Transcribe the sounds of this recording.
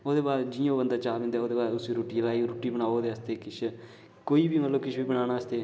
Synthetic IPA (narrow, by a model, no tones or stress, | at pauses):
oːd̪eːbaːɾd͡ʒɪõːbənd̪aːt͡ʃaːbẽnd̪aoːd̪eːbaːɾʊsʋiːɾoːʈiːlaːiːɾoːʈiːbəñaːoːd̪eːəːst̪eːkɪt͡ʃʰ | koːiːbiːməlːoːkɪt͡ʃʰbiːbəɽ̃aːñaːəst̪eː